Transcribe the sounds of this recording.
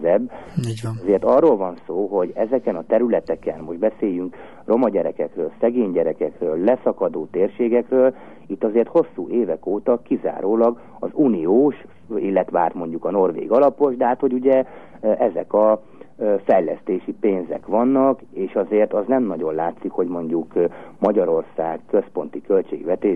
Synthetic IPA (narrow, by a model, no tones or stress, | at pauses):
zɛb | zeːrt̪ɒrːolvɒnsoːɦo̞ɟɛzɛkɛnɒt̪ɛɾylɛt̪ɛkɛnmo̞ʒd̪bɛseːjyŋk | ro̞mɒɟɛɾɛkɛkrøːlsɛɡeːɲɟɛɾɛkɛkrøːlːɛsɒkɒd̪oːt̪eːrʃeːɡɛkrøːl | it̪ːɒzeːrt̪ho̞sːuːʔeːvɛkoːt̪ɒkiza̰ːɾoːlɒɡ | ɒ̰zuːnioːʃ | ilːɛt̪ʋaːrt̪mo̞ɲɟukɒno̞rʋḛːɡɒlɒpo̞ʒd̪ɛɦaːt̪ho̞ɟuɟɛ | ʔɛzɛ̰kɒ | fɛjlɛ̰st̪eːʃipeːnzɛ̰kʋɒnːɒk | eːʃɒzeːrt̪ɒznɛmnɒɟo̞nlaːt̪sikho̞ɟmo̞ɲɟukmɒɟɒɾo̞rsaːkːøspo̞nt̪ikø̞lt͡ʃeːɡʋɛt̪eː